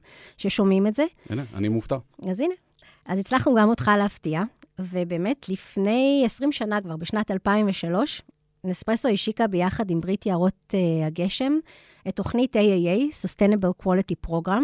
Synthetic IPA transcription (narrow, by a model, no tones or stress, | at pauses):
ʃe̞ʃo̞mimetze̞ḭnea̰nimuft̪aazine | ʔazit͡slaχnuɡamo̞tχaleaftiavebe̞ːme̞tʰlifne̞jesʁimʃanakvaʁbeʃnatalpaimveʃalo̞ʃ | nespʁesoiʃikabe̞jaχadimbʁitjaʁo̞teaɡe̞ʃe̞m | etːo̞χnitejejejsostenebelkwolitipʁo̞ɡʁam